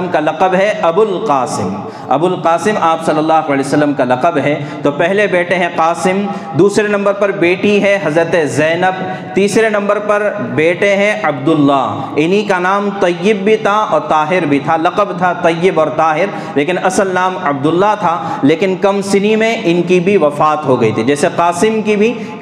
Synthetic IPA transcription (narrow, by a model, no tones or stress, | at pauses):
mkalɐqəbɦɛɐbʊlqaːsɪm | ɐ̰bʊlqaːsɪmaːpsɐlːəlːaːɦkaːlisɐlːəmkalɐqəbɦɛ | t̪oːpɛɦlebeːʈẽɦɛ̃qaːsɪm | d̪uːsɾenɐ̃mbəɾpɐɾbeːʈiɦɛɦɐzɾət̪ezɛːnəb̚ | t̪iːsɾenɐ̃mbəɾpɐɾbeːʈeɦɛ̃ɐb̚d̪ʊlːaɦ | ɪnikanaːmt̪ɐjːɪbːʱit̪ʰaɔ̰ːɾt̪aːɦɪɾbʱit̪ʰalɐqəbt̪ʰat̪ɐjːɪbɔːɾt̪aːɦɪɾ | leːkɪnɐsəlnaːmɐb̚d̪ʊlːat̪ʰaleːkɪnkɐmsɪnimẽʔɪnkibʱiʋɐfaːt̪ɦoɡɐit̪ʰid͡ʒɛːseqaːsɪmkibʱi